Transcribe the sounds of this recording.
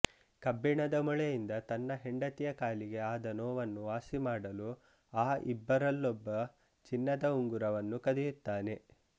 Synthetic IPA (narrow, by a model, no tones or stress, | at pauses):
kɐbːiɳɐd̪ɐmuɭejind̪ɐt̪ɐnːɐɦeɳɖɐt̪ijɐkaːliɡe̞aːd̪ɐnɔːʋɐnːuʋaːsimaːɽɐlu | aːʔḭbːɐɾɐlːɔbːɐ | t͡ʃinːɐd̪ɐuŋɡuɾɐʋɐnːukɐd̪ijut̪ːaːne̞